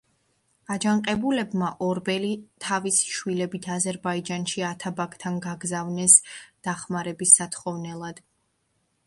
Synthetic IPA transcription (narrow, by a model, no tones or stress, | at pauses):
ad͡ʒaŋqʼɛbulɛbmaʔɔɾbɛlit̪ʰavisi̥ʃwilɛbit̪ʰazɛɾbaid͡ʒanʃiat̪ʰabakʰʼt̪ʰanɡaɡzavnɛsd̪̥aχmaɾɛbisːat̪ʰχɔvnɛlˠad̪̥